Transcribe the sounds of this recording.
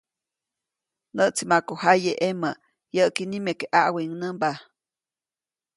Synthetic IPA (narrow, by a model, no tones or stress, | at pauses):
nəʔt͡simakohajeʔeməʔ | jəʔkinimekeʔaʔwiŋnəmba